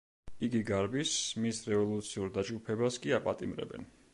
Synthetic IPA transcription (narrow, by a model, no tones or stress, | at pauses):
iɡiɡaɾbismisɾɛvɔlˠut̪sʰiuɾd̪ad͡ʒɡupʰɛbaskʼiapʼat̪ʼimɾɛ̰bɛ̰n